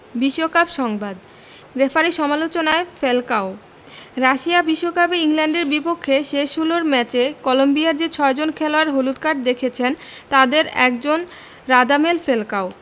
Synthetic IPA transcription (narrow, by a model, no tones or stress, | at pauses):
biʃːokabʃɔŋbad̪ | ɾefaɾiʃɔmalot͡ɕonaefelkao | ɾaʃiabiʃːokapeiŋlɛɳɖeɾbipokʰːeʃeʃuloɾmɛt͡ɕekɔlombiaɾd͡ʑet͡ɕʰɔed͡ʑonkʰeloaɾɦolut̪̚kaɖd̪ekʰet͡ɕʰen | t̪ad̪eɾɛ̰k̚d͡ʑon | ɾad̪amelfelkao